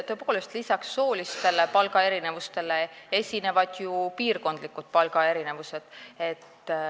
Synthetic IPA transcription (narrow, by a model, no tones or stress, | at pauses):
t̪øpɑ̥kulost̪lisɑksːo̞ːlist̪e̞le̞pɑlɡɑe̞ɾine̞vust̪e̞lee̞sʲine̞vɑd̪̥jupiːrko̞nd̪̥likːˑut̪̚pɑlɡ̥ɑe̞ɾine̞vuse̞d̪̥e̞t̪ː